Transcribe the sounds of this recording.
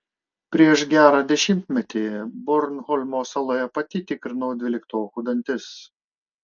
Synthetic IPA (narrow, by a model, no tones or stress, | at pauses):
pʲɾʲiɛʃɡʲæːɾɑːd̪ʲɛʃʲɪmʲt̪ʲmʲɛt̪ʲeːbɔɾnhɔlʲmoːsɐlˠoːjɛpɐt̪ʲit̪ʲɪkɾʲɪnɔʊd̪ʲʋʲɪlʲɪkt̪oːxʊd̪ɐnʲt̪ʲɪs